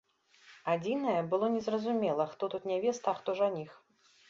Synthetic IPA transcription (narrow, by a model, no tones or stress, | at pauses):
ad͡zʲinɐjɛbɨlˠɔnʲɛzrɐzumʲɛlˠɐxt̪ɔt̪ut̪nʲavʲɛst̪axt̪ɔʐanʲix